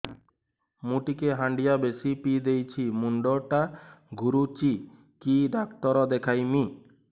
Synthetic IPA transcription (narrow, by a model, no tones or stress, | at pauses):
muʈikeɦaɳɖijabesipid̪ejt͡ʃʰimuɳɖɔɾʈaɡuɾut͡ʃi | kiɖakt̪ɔɾɔd̪ekʰajmi